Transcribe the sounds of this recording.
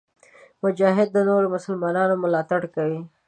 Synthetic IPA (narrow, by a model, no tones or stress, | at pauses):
mʊd͡ʒɑɦɪd̪̚ːənoɾomʊsəlmɑnɑnomʊlɑt̪aɽkawi